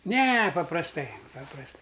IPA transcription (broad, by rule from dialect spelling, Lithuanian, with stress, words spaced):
ˈnʲɛ pɐprɐsˈtɐɪ pɐprɐsˈtɐɪ